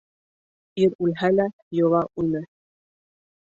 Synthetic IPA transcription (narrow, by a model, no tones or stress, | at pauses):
iɾʉlɦælæ | jŏlˠɑʔʉnɘ